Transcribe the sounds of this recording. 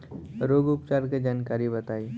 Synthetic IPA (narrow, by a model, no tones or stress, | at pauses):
ɾoːɡʊpt͡ʃaɾked͡ʒaːnkaːɾibət̪aːi